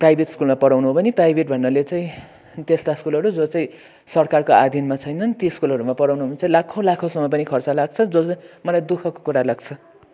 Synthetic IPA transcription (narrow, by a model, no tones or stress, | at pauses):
prajbʱeʈskulmapʌɽawnuɦobʱʌniprajbʱeʈ̚bʱʌnːʌlet͡saĩ | t̪est̪askulʌɾud͡zot͡sʌĩ | sʌrkarkoad̪ʱinmat͡sʰʌjnʌnt̪iskulɦʌɾumapʌɽawnuɦomit͡saĩlakʰõlakʰosʌmʌp̬ʌnikʰʌrt͡salaɡ̚t͡sʰʌd͡zot͡smʌlajd̪ukʰʌko̥kuɾalaɡt͡sʰʌ